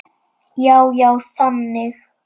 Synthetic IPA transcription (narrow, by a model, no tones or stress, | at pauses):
jawjawsamnɪχ